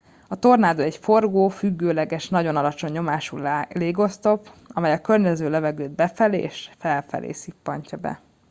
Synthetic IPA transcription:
ɒt̪o̞rnaːd̪oɛcfo̞rɡoːfyɡːøːlɛɡɛʃnɒɟo̞nɒlɒt͡ʃo̞ɲːo̞maːʃulleːɡo̞st̪o̞pɒmɛjɒkørɲɛzøːlɛvɛɡøːd̪̚bɛfɛlḛːʃfɛlfɛ̰lʔḛːsipːɒɲcɒbɛ̰

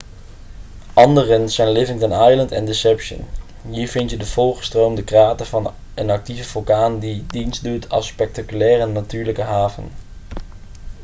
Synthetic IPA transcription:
ʔɑndərənzɛjnlɪvɪŋdɑnɑjləntɛ̰ndɪsɛpʃə̰n | ɦiːɹvɪntjədəv̥ɔlˠχə̥strowmdəkraːtəvɑn | ənɑk̚tivəv̥ɵlˠkaːndidinstdutʰɑ̰lˠspɛk̚takylɛːrənatyːɹləkəɦaːvə̰n

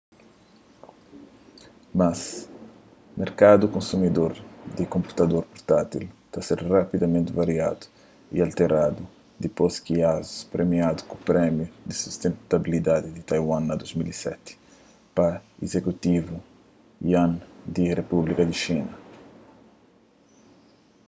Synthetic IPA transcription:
maz | meɾkad̪ukõnsumid̪oɾd̪ikõmpu̥t̪ɐd̪oɾpɔɾt̪at̪ilt̪aseɾrapid̪ɐmẽnt̪ɪvaɾia̰d̪u̥ | ḭalt̪eɾad̪u | d̪iposkiazu̥spɾemiad̪ukupɾɛmjud̪isust̪ẽnt̪abilid̪ad̪id̪it̪ajwãnɐd̪ozmilisɛt̪ɪ̥ | pɐizekut̪ivu | j̰ãnd̪irepublikɐd̪iʃinɐ

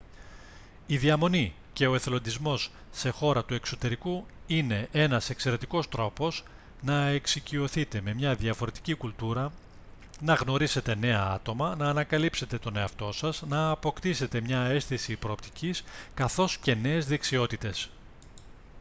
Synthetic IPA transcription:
iðiɐmo̞ni | ce̞o̞e̞θelo̞nd̪izmo̞sː | e̞xo̞ɾɐt̪ue̞kso̞t̪e̞ɾikuine̞ʔe̞nɐse̞kse̞ɾe̞t̪iko̞st̪ɾo̞po̞s | nɐe̞ksicio̞θit̪e̞me̞mɲɐðiɐfo̞ɾe̞t̪icikult̪uɾɐ | nɐɣno̞ɾise̞t̪e̞ne̞ɐɐ̰t̪o̞mɐnɐːnɐkɐlipse̞t̪e̞t̪o̞ne̞ɐft̪o̞sɐznɐːpo̞kt̪ise̞t̪e̞mɲɐe̞sθisipɾo̞ːp̚t̪iciskɐθo̞sce̞ne̞ːzðe̞ksio̞t̪it̪e̞s

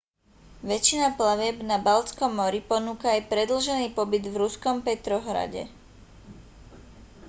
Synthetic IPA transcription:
ʋɛt͡ʃinaplaʋɪɛbnabalt͡skɔmːɔɾipɔnuːkaːjpɾɛd̪l̩ʒɛniːpɔbid̪vɾuskɔmpɛt̪ɾɔɦɾa̰ɟɛ̰

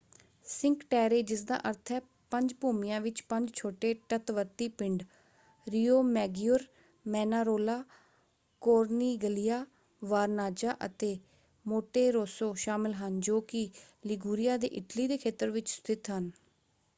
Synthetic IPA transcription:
sɪŋkʈɛːɾeːd͡ʒɪsd̪ã̰ːʔəɾt̪ʰɛː | pəɲd͡ʒpuːmɪjãːʋɪt͡ʃpəɲd͡ʒt͡ʃʰoːʈeːʈət̪ʋəɾt̪iːpɪ̃ɳɖ | ɾiːoːmɛːɡjʊɾ | mɛːnaːɾoːlaː | koːɾniːɡəlijaː | ʋaːɾnaːd͡ʒaːʔə̰t̪eː | moːʈeːɾoːsoːʃaːmɪlɦənd͡ʒoːkɪ | lɪɡuːɾɪjaːd̪ḛːʔɪʈliːd̪eːkʰeːt̪əɾʋɪt͡ʃst̪ʰɪt̪ɦən

